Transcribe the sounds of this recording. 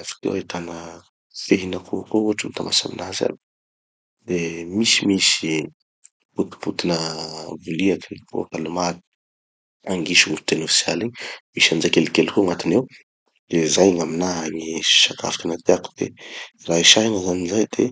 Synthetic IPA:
afḁkḛwait̪anə | feɦinəkʰukouaʈ͡ʂəmit̪amasa̰mḭnaɦza̰ | d̪emisimisi | put̪i̥put̪inəvuliakkṵakalumat̪i̥ | aŋɡiʃuuut̪enofi̥sja̰liɲmisand͡ʒakelikelkoŋat̪inew | d̪̥ezajŋaminaɦaŋi̥ʃaka̰fi̥kanat̪eaku̥d̪̥ḛraiʃaɦinəzanizajd̪̥e

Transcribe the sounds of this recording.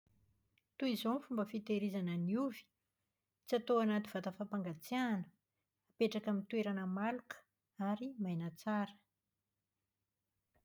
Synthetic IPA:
t̪uizonfumbəfit̪eɾizanəniuvi̥ | t͡siat̪oanat̪i̥v̥at̪afapaŋɡat͡sianə̥ | apeʈ͡ʂakamit̪weɾanəmalukə̥ | aɾimajnət͡saɾə̥

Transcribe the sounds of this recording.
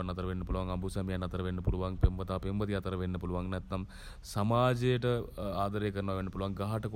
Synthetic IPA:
ɐnːɐt̪ːɐɾɐʋenːɨpuluʋaːŋɡɐmbʱusɐmjanɐt̪ɐɾɐʋenːɨpuluʋaːŋpembɐt̪apembɐt̪ijaːt̪ɐɾɐʋenːɨpuluʋaːŋnɐt̪nɐm | sɐmaːd͡ʑɐjɐʈɨaːd̪ɐɾɐjɐkːɐɾnɐʋaʋenːɨpuluʋaːŋɡɐɦaʈːɐko

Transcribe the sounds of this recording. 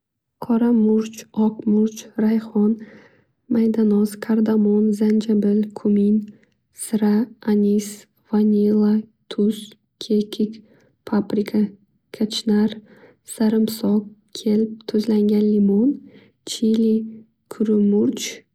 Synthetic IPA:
qʰɒɾamʊɾt͡ʃɒqmʊɾt͡ʃɾajχɒn | majd̪anɒzkʲʰaɾd̪amonzand͡ʒabɪlkʰʊmin | sɨɾaanʲis | vanʲilˠat̪ʰʊs | kʲʰekʲʰikʲ | pʰapɾikʰa | kʰat͡ʃnaɾ | saɾɪmsɒkkʲʰelɪp̚t̪ʰʊzlaŋɡʲanlimon | t͡ʃʰili | kʰʊɾʊmʊɾt͡ʃ

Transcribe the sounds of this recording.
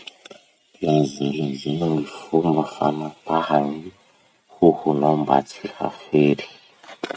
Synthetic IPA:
anziɡizinunifumafanapahani | huhunomba̰t͡siha̰feɾi̥

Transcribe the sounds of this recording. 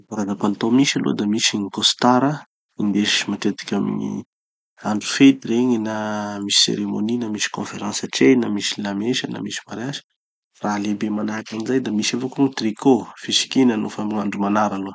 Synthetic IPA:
aɾad̪apant̪omisalo̰d̪amisiɲikost̪aɾə | ind̪eʃimat̪et̪i̥kʲamḭɲḭ | aɳɖ͡ʐu̥fet̪iɾeɲinamisi̥sḛɾemoninamisi̥kõfeɾãnsəʈ͡ʂenamisilameʃəna̰misi̥maɾasə̥ | ralebemanaɾakanizajd̪amisavokunut̪rikʰofisi̥kinənufamuaɳɖ͡ʐumanaɾalo

